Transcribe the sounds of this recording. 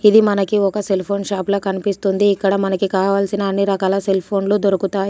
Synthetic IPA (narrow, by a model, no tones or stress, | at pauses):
id̪imɐnɐkiɔkɐse̞lpʰo̞ːnʃaːploːkɐnipist̪und̪iːkːɐɽɐmɐnɐkikaːʋaːlsinɐːnːiɾɐkaːlɐse̞lpʰo̞ːnloːd̪oɾukut̪aː